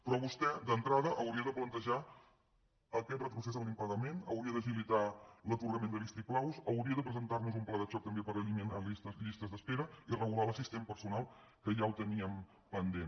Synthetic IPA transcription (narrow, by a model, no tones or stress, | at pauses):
pɾɔβust̪ɛd̪ənt̪ɾaðəʔəwɾiəðəplənt̪əʒa | əkɛt̪rət̪ɾusezəmlimpəɣəmenə̰wɾiəðəs̬ilit̪alət̪uɾɣəmend̪əlist̪iklawsəwɾiəðəpɾəzənt̪arnuzumplɛðət͡ʃɔk̚t̪əmbepəɾəʎimenist̪əʎist̪əzðəspeɾəirəɣulaləsist̪empəɾsunalˠ | kəʒawt̪əniəm | pənd̪en